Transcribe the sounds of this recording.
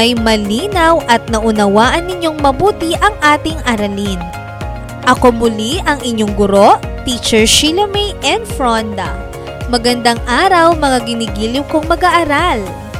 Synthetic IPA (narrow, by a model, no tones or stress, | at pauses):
ɐjmɐliːnɐwʔɐt̪̚nɐʔʊnɐwaːʔɐnːɪɲo̞ŋmɐbuːt̪iʔɐŋʔaːt̪ɪŋʔɐɾɐlin | ʔɐko̞mʊliʔɐŋɪɲːo̞ŋɡʊɾo̞ʔt̪it͡ʃɛɹʃilɐmejʔɛnd̪fɹond̪ɐ | mɐɡɐnd̪aŋʔaːɾɐwmɐŋaɡɪniɡiːlɪmko̞ŋmɐɡɐʔɐɾal